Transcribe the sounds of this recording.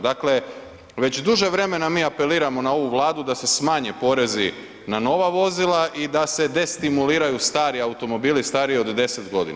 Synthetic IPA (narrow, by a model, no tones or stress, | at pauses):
d̪akle̞ | ʋe̞t͡ɕd̪uʒe̞ʋɾe̞me̞namiːape̞liːɾamo̞nao̞ʋuʋlˠaːd̪ud̪ase̞smaːɲe̞po̞ːɾe̞zi | nano̞ʋaʋo̞zilˠaʔid̪ase̞d̪e̞st̪imuliːɾajust̪aːɾiaut̪o̞mo̞biːlist̪aːɾio̞d̪d̪e̞se̞t̪ɡo̞d̪ḭna